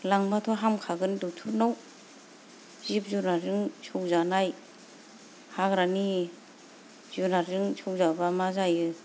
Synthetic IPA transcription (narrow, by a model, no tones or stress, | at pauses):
laŋbatʰɔɦamkʰaɡɯndutʰunaw | zip̚zunazɯŋsʰɔwzanaj | haɡɾani | zunazɯŋsʰɔwzabamazajɯ